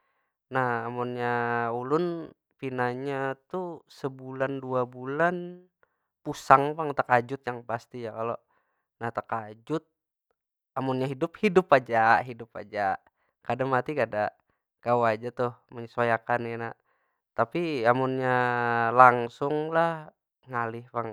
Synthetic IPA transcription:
nahamunɲaulʊn | pinaɲat̪usəbulanduabulan | pusaŋbaŋt̪əkad͡ʒʊt̪̚jaŋpast̪ijakalo | naht̪akad͡ʒʊt̪̚ | amʊnɲaɦidʊp̚hidʊpad͡ʒaɦidʊp̚a̰d͡ʒa | kadaŋmat̪ikadaʔ | kawad͡ʒat̪ʊhməɲəsajakanana | t̪apiamʊnɲalaŋsʊŋlah | ŋalɪhpaŋ

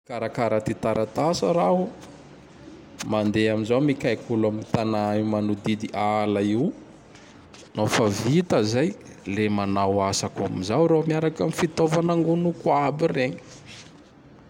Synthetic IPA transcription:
kaɾakaɾat̪it̪aɾʔat̪asəɾaɦu | mand̪eaminzawmikajkulamiit̪anaimanud̪id̪iʔalaiw | nafavit̪əzajlemanawasaka̰mizawɾomiaɾakamifit̪ovanaŋɡunukwabireɲi̥

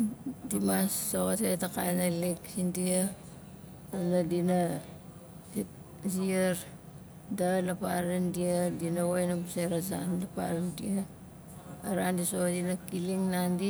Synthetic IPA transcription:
dimasːoɣatetaka̰jnaliksindia | nadina | ziaɾ | dalapaɾandiadinawajnabseɾaza̰nlapa̰ɾandia | aɾandisodinakiliŋnandi

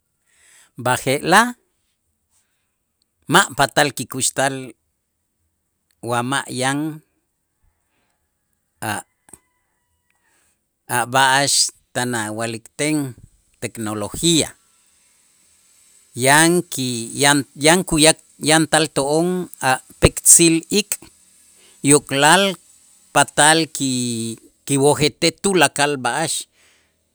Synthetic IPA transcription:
baxeʔla | maʔpat̪alkikuʃt̪al | wama̰ʔjaŋ | aʔ | aʔbaʔaʃt̪anawalikt̪eŋ | t̪eknoloxia̰ | jaŋkijajaŋkujak | jant̪alt̪oʔoŋaʔpekt͡silikʼ | jokʼlal | pat̪alki | kiwoxet̪et̪ulakalbaʔaʃ

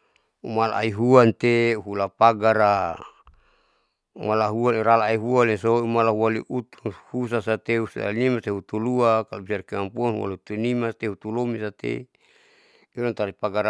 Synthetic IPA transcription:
umalaa̰iɦuant̪euɦulapaɡaɾa | ṵmalaɦualiɾalaːiɦualisoumalaɦualiʔut̪unhusasat̪eusa̰nimat̪eɦut̪uluakalabisarkimampuanhua̰lut̪unimast̪ehut̪ulomisat̪ḛ | ilant̪aɾipaɡaɾ

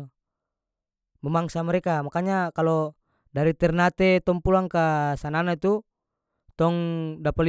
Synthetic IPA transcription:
mɛmaŋsamɛɾɛkamakaɲakalɔ | daɾit̪ɛrnat̪ɛt̪ɔŋpulaŋkasananait̪u | t̪ɔŋdapali

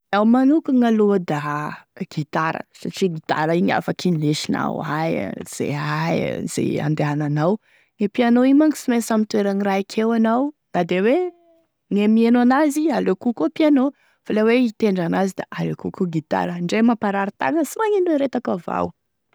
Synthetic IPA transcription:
awmanukuŋalud̪aɡ̥it̪aɾə̰saʈ͡ʂiɡit̪a̰ɾəiɲa̰fakʰinleʃina̰wajz̥ḛajz̥ḛa̰nd̪eaananaw | ŋepianoimaŋisimesamit̪ueɾaniraikʰewanaw | nad̪ewe | ŋemienoanazialokukopiano | faleweit̪eɳɖ͡ʐanazid̪a̰ʔalekukuɡit̪a̰ɾəɳɖ͡ʐemapaɾaɾit̪a̰ŋəsumaɲinweɾet̪akəva̰w

